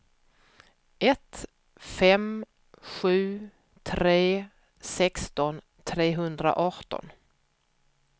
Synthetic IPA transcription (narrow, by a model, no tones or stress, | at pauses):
ɛt̪ | fɛm | ɧʉ̟ː | t̪ʰɾeː | sɛkst̪ɔn | t̪ʰɾeːɦɵnd̪ɾa̰ʔɑʈɔ̰n